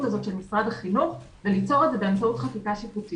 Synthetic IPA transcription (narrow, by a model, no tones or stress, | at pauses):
tkazo̞t̪ʃe̞lmisʁad̪haχinuχ | velit͡so̞ʁedze̞beamt͡sautχafikaʃikuti